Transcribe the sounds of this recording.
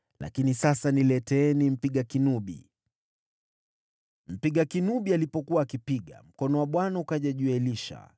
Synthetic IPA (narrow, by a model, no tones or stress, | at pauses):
la̰kinisasanilɛtɛnim̩piɠakinuɓḭ | m̩piɠakinuɓialipɔkuwaːkipiɠa̰m̩kɔnɔwaɓwanaukaʄaʄuɛliʃa̰